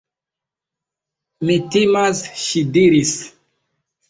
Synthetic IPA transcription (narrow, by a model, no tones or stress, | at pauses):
mitimasʃidiɾis